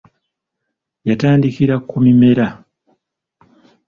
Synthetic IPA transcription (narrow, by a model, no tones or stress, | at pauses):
jataːndikiɾakːumime̞ɾa